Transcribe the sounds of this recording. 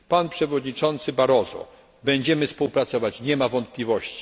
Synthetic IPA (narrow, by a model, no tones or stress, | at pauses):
panpʂɛvɔd̪ɲit͡ʂɔnt̪sɘbaɾɔzɔ̰ | bɛɲd͡ʑɛmɘfspuwpɾat̪sɔvat͡ɕɲɛmavɔnt̪̚pʲlʲivɔɕt͡ɕi̥